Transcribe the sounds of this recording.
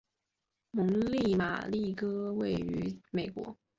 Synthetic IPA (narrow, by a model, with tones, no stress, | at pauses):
mʊ˧˥ŋli˥˩ma̰˨˩li˥˩kɤ˥we˥˩ɪy˧˥me˨˩ɪkwɔ̰˧˥